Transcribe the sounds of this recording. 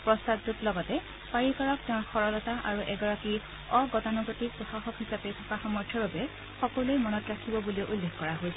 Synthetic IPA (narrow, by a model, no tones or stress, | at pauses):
pɹɔstatdutlɔɡɔtɛ | paɹikɔɹɔk̚tɛʊ̃xɔɹɔlɔtaʔaɹuʔɛɡɔɹaki | ɔɡɔtanɔɡotik̚pɹɔxaxɔkɦisapɛtʰɔkaxɔmɔɹtʰjɔɹbabɛ | xɔkɔluejmɔnɔtɹakʰibɔbulioʔulːexkɔɹaɦojsɛ